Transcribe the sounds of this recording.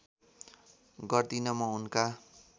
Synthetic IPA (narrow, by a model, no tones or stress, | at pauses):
ɡʌrd̪inʌmʌunka